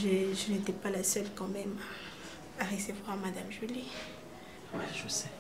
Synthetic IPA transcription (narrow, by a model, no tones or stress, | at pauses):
ʒəʒənet̪ɛpalasœlkɑ̃mɛmaː | ʁesevwaʁmad̪amʒyli | ʒəsɛ